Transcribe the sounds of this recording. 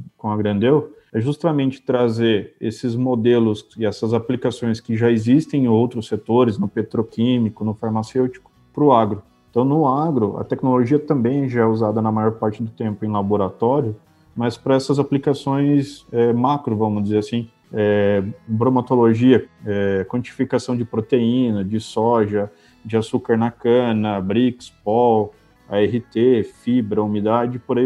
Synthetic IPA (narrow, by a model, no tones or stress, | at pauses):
kõɐɡɾɐ̃nd̪ew | ɛʒust̪amẽnt͡ʃɪ̥t̪ɾazeɾesɪzmod̪elʊsɪɛsɐzaplikasõj̃skɪʒaezist̪ẽj̃owt̪ɾʊsːet̪oɾɪznʊpet̪ɾokĩmikʊnʊfaɾmasewt͡ʃi̥kʊ̥ | pɾʊaɡɾʊ | ẽt̪ɐ̃w̃nʊaɡɾʊʔɐ̰t̪ɛknoloʒiɐt̪ɐ̃mbẽj̃ʒaɛuzad̪ɐnɐmajɔɾpaɾt͡ʃɪd̪ʊt̪ẽmpʊẽj̃laboɾat̪ɔɾiʊ | mɐspɾɐɛsɐzaplikasõj̃sɛmakɾʊvɐ̃mʊzd͡ʒɪzeɾasĩ | ɛbɾõmat̪oloʒiɐɛkwɐ̃nt͡ʃi̥fikasɐ̃w̃d͡ʒɪpɾot̪eĩnɐd͡ʒɪsɔʒɐ | d͡ʒɪasukaɾnɐkɐ̃nɐbɾikspɔw | aɛɦit̪efibɾɐumid̪ad͡ʒɪpoɾai